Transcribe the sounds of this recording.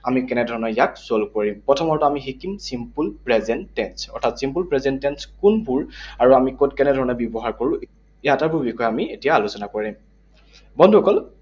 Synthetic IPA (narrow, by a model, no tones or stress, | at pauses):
amikɛnɛdʱɔɹɔnɔjakzolkoɹimpɹɔtʰɔmɔɹtɔamiɦikimsimpulpɹɛzɛntɛnsɔ̰ɹtʰatsimpulpɹɛzɛntɛnskunpuɹaɹuamikotkɛnɛdʱɔɹɔnɔbjɔbɔɦaɹkoɹũ | jataɹbuɹbixɔjamietijaːlusɔnakoɹim | bɔndʱuɦɔkɔl